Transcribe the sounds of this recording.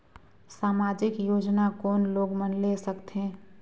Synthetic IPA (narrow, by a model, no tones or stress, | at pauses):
saːmad͡ʒɪkjoːd͡ʒnakoːnloːɡmənlesəkt̪ẽ